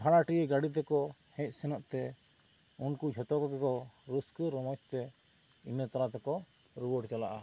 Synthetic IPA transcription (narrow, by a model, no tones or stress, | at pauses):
bʰʱaɽaʈiɛɡaɽit̪̬ɛkɔhɛc̪̚ˀsɛnɔʔt̪ɛ | unkud͡ʒʱɔt̪ɔkɔkɛkɔɾuskəɾɔmɔt͡ʃt̪ɛinət̪aɾat̪ɛkɔɾiwɔɖkalaʔa